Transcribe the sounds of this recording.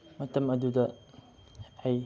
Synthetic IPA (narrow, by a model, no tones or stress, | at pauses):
mɐt̪ɐmɐdudɐ | haj